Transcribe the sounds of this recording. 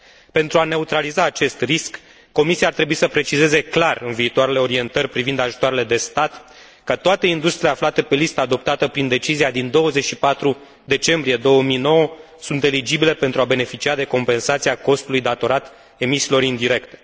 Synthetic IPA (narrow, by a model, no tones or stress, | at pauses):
pe̞nt̪ɾuane̞ut̪ɾalizaːt͡ʃe̞st̪riskː | o̞misiaːrt̪ɾe̞buisəpɾe̞t͡ʃize̞ze̞klarɨnviːt̪oaɾe̞le̞o̞ɾie̞nt̪ərʲpɾivind̪aʒut̪oaɾe̞le̞d̪e̞st̪at̪ | kət̪oat̪e̞ind̪ust̪ɾile̞aflat̪epe̞list̪əad̪o̞p̚t̪at̪əpɾind̪e̞t͡ʃiziad̪ind̪o̞wəzet͡ʃʲʃipat̪ɾu | d̪e̞t͡ʃe̞mbɾije̞d̪o̞wəmijno̞wə | sunt̪e̞lid͡ʒibile̞pe̞nt̪ɾuabe̞ne̞fit͡ʃiad̪e̞ko̞mpe̞nsat̪siako̞st̪ulujd̪at̪o̞ɾat̪ | e̞misiːlo̞ɾind̪iɾe̞kt̪e̞̥